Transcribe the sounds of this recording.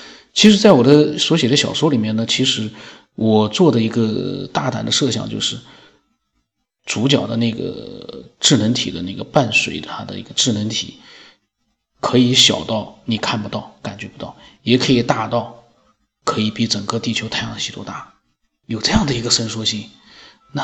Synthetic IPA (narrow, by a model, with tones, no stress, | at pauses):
t͡ɕʰi˧˥ʂɻ̩˧˥t͡sa˥˩ɪwɔ˨˩d̪ə˦swɔ˧˥ɕjɛ˨˩d̪ə˦ɕjɑ̰˨˩ʊʂwɔ˥li˨˩mjɛ˥˩nnə˩t͡ɕʰi˧˥ʂɻ̩˧˥ | wʔɔ˨˩t͡swɔ˥˩d̪ə˩i˧˥ɡə˧t̪a˥˩t̪a̰˨˩nd̪ə˦ʂɤ˥˩ɕjɑ̰˨˩ŋt͡ɕjo˥˧ʂɻ̩˥˩ | t͡su˧˥t͡ɕjɑ̰˨˩ʊd̪ə˦na˥˩ɪɡə̰˩ʈ͡ʂɻ̩˥˩nə˧˥ŋt̪ʰḭ˨˩d̪ə˦na˥˩ɡə˩pa˥˩nswḛ˨˧˥ɪa˥d̪ə̰˧ḭ˧˥ɡə˧ʈ͡ʂɻ̩˥˩nə˧˥ŋt̪ʰḭ˨˩˦ | kʰɤ˧˥i˧˥ɕjɑ̰˨˩ʊt̪ɑ˥˩ʊni˨˩kʰa˥˩npu˧t̪ɑ˥˩ʊka˨˩nt͡ɕɥɛ˧˥pu˧˥t̪ɑ˥˩ʊjɛ˨˧˩kʰɤ˧˥i˨˩t̪a˥˧t̪ɑ˥˩ʊ | kʰɤ˧˥i˨˧˥pi˧˥ʈ͡ʂə˨˩ŋkɤ˥˧t̪i˥˩t͡ɕʰjo˥ʊt̪ʰa˥˧ɪjɑ˥˩ɕi˧˥t̪wɔ˥t̪a˥˩ | jo˨˩ʊʈ͡ʂɤ˥˧jɑ˥˩ŋd̪ə˩i˧˥ɡə˧ʂə˥nʂwɔ˥ɕi˥˩ŋ | na˥˩